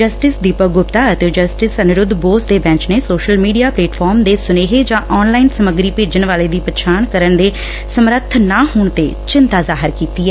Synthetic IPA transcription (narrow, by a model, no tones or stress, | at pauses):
d͡ʒəsʈɪsd̪iːpəɡʊpt̪aːət̪eːd͡ʒəsʈɪsənɪɾʊd̪boːsd̪eːbɛ̃ːt͡ʃneːsoːʃəlmiːɖijaːpleːʈpʰɔːɾmd̪eːsʊneːɦeːd͡ʒãːʔɔːnlaːiːnsəməɡɾiːpeːd͡ʒənʋaːleːd̪iːpət͡ʃʰaːnkəɾəɳd̪eː | səmɾət̪ʰːnãːɦuːɳt̪ḛːt͡ʃɪnt̪aːzaːɦɪɾkiːt̪iːɛː